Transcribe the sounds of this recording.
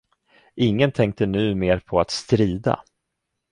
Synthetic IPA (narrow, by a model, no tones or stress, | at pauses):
ɪŋːənt̪ʰɛŋk̚t̪ənʉ̟ːmeːɾpʰɔat̪st̪ɾiːd̪a̰